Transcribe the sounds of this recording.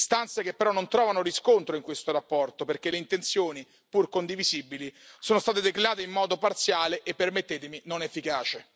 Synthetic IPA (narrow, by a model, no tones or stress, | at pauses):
st̪ant̪sek̟epːeɾɔnːont̪ɾɔːvanoɾiskont̪ɾoiŋkwest̪oɾapːɔrt̪operk̟eleint̪ent̪sjoːni | purkond̪ivizibilisoːnost̪aːt̪̬ed̪ekɾelaːt̪eimːɔːd̪opart̪sjaːleʔepːermet̪ːeːt̪eminonefːikaːt͡ʃe